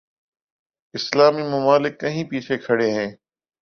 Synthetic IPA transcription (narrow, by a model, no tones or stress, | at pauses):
ɪslaːmiːmʊmaːlɪkːəɦĩːpiːt͡ʃʰeːkʰəɽeːɦẽː